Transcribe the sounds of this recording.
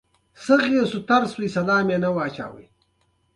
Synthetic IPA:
sɐɣiːsut̪ɐɾswisɐlaːmeːnɐwaːt͡ɕa̰ːwḭ

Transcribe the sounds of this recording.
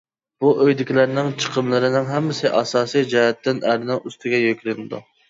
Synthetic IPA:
b̥uʔøjd̪ɪkʲilæɾnɪŋt͡ʃʰə̥qʰəmlˠɨɾɪnɪŋɦɛmːɪsɪʔɑsɑːsijd͡ʒɛɦɛt̪ːɪnæɾɪnɪŋyst̪ʰɪɡʲɛjøkʲlɪnɪd̪ṵ

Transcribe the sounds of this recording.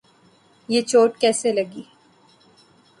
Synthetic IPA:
jeːt͡ʃoːʈkɛːselɐɡiː

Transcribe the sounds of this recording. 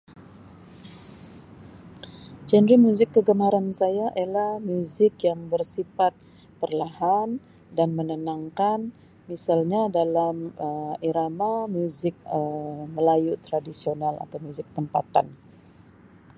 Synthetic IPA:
d͡ʒɛnɾimjuzɪkːəɡəmaɾansajaʔelahmuzɪkjaŋbərsifat̪̚ | pərlahan | danmənənaŋkan | misalɲadalaməiɾamamjuzɪk̚əməlajut̪ɾadisionala̰t̪awmjuzɪk̚t̪əmpat̪a̰n

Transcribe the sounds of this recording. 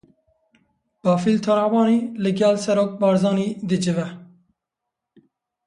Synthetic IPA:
b̥ɑːfilt̪ʰɑɾɑːvɑːniːlɨɡɛlsɛɾoːk̚bɑːɾzɑːniːd̪ɨd͡ʒɨvɛ

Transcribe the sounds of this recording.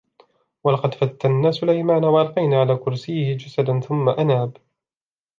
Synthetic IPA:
walɑqɑd̪fat̪ːanːaːsʊlajmaːnawɑʔɑɾˤqɑjnaːʕalaːkʊɾsiːhɪd͡ʒasad̪anθʊmːaʔanaːb

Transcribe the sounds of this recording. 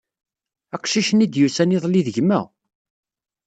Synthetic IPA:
æqʃiʃənid̪jusæniðˤliðəʝmːæ

